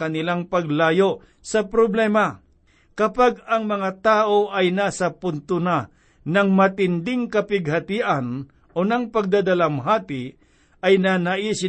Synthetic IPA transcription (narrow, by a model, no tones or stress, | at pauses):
kɐnɪlaŋpɐɡlaːjo | sɐpɾoblɛːma | kɐpaɡɐŋmɐŋat̪aːʔoʔɐjnaːsɐpʊnt̪ʊna | nɐŋmɐt̪ɪnd̪ɪŋkɐpɪɡ̚hɐt̪iʔan | ʔonɐŋpɐɡ̚d̪ad̪alamɦaːt̪ɪ | ʔɐjnanaʔisɪ